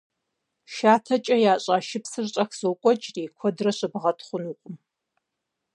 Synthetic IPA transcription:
ʃaːtʰɐt͡ʃʼɐjaːɕʼaːʃɪpsɨrɕʼɐxz̥owkʷʼɔt͡ʃʼreːkʷʰɔdrɐɕɨbʁɐtʰχʷʊnuːqʷʼʊm

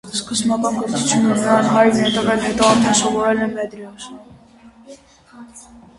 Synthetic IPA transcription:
skəzmɑkɑnɡɔɾt͡sʰut͡sʰjunənəɾɑnɦɑjnɛt̪ɛvɛlhɛt̪ɔɑɾt̪ʰɛnsɔvɔɾɛlɛmɛd̪ɾɔs

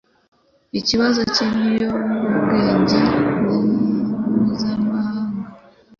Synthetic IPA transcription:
iciβazo̞ciβijo̞uβɡe̞ːɲɟawommuzamahaːŋɡa

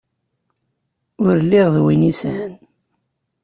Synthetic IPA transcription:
ʊɾlːiʁðwinisæn

